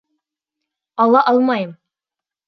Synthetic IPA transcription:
ɑlˠɑʔɑlˠmɑjɤm

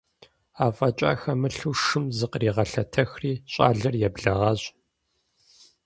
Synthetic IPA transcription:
aːfʼɐt͡ʃʼa̰ːxɐmɨɬuːʂɨmzɨqriːʁɐɬɐtʰɐxriːɕʼa̰ːɮɐrjɛbɮɐʁɐɕ

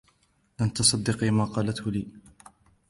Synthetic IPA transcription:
ʔant̪ɑsˤɑd̪ːɪqiːmaːqɑːlat̪hʊliː

